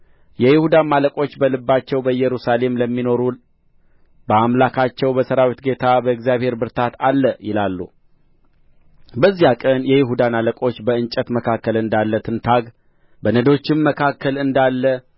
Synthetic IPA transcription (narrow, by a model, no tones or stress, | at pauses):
jɛjɪhud̪amaləkʼo̞t͡ʃːbəlɨbːat͡ʃːɛwbəjɛɾusale̞mləmːino̞ɾul | bəamlakʰat͡ʃːɛwbəsəɾawit̪ɡe̞t̪ʰabəɨɡzjaβhe̞ɾbɨɾt̪ʰat̪ʰalːəjɪlalːṵ | bəzːijakʼənjɛjɪɦud̪analəkʼo̞t͡ʃːbəɨnt͡ʃʼət̪məkʰakːəlɨnd̪alːət̪ʰɨnt̪ʰaɡ | bənəd̪o̞t͡ʃːɪmːəkʰakʰːəlɨnd̪alːə